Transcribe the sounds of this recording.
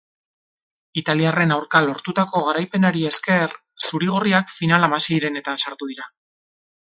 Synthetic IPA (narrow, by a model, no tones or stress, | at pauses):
it̪aliare̞nawɾkalo̞ɾt̪ut̪ako̞ɣaɾajpe̞naɾie̞ske̞r | suɾiɣ̞o̞riakfinalamasiːɾe̞ne̞t̪ansaɾt̪uð̞iɾa